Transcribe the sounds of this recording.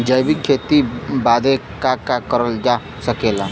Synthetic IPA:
d͡ʒəjbikʰːeːt̪ibaːd̪ʱekakakəɾəld͡ʒa | səkeːla

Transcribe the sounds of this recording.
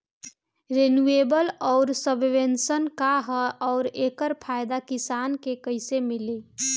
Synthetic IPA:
ɾenuebəlɔʊɾsəbʱʋensənkaɦəɔʊɾeːkəɾpʰajd̪akisankekəɪsemile

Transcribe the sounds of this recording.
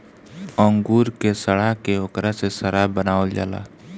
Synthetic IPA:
ɔ̃ŋɡuːɾkesəɽaɦkeokɾasesəɽabənaːld͡ʒa̰ːla̰ː

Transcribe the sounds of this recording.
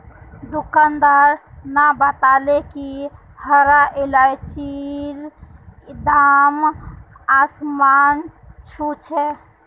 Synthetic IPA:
d̪ukənd̪əɾnabət̪aleki | həɾaʔelajt͡ʃiɾ | d̪am | asman | t͡ʃʰut͡ʃʰɛ

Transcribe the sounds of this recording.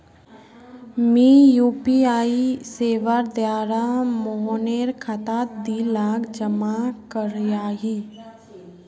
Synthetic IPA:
miːjuːpiaːiseːʋaɾd̪jaːɾamoɦoneːɾkʰat̪aːt̪̚d̪iːlaːɡd͡ʒəmakəɾjaːɦiː

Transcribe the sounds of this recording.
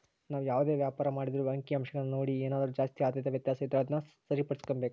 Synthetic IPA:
naːʋujaːʋd̪e̞ːʋjaːpaːɾɐmaːɽid̪ɐɾuɐŋkiɐmʃɐɡɐɭːnoːɽieːnaːd̪ɐɾud͡ʒaːst̪iaːd̪jɐt̪ɐʋjɐt̪jaːsɐid̪ɾɐaːd̪nɐsɐɾipɐɽiskombeːku

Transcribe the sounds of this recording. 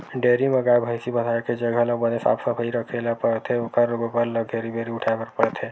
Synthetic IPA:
ɖeɾimeɡaebʱajsibəd̪ʱaeked͡ʒəɡʱələbənesa̰ːpsəpʰəiɾəkʰelapəɾt̪ʰeokəɾoɡopəɾləɡʱeɾibeɾiʊʈʰakəɾpəɾt̪ʰe

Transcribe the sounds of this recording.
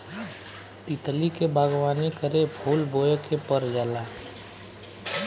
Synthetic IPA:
t̪it̪likebʱaːɡʋaːnekəɾepʰuːlboːjkepəɾd͡ʒaːlaː

